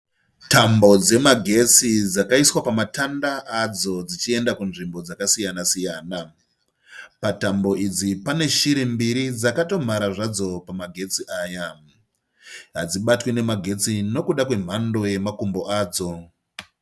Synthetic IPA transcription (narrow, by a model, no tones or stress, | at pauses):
tambo̞d͡ze̞maɡʱe̞t͡sid͡zakaiswapamatandaʔad͡zo̞d͡zit͡ʃie̞ndakunʐimbo̞d͡zakasijanasijaːna | patambo̞id͡zipane̞ʃiɾembiɾid͡zakato̞m̤aɾaʐad͡zo̞pamaɡʱe̞t͡siʔaːja | ɦad͡ziɓatwine̞maɡʱe̞t͡sino̞kuɗakwe̞m̤ando̞je̞makumbo̞ʔaːd͡zo̞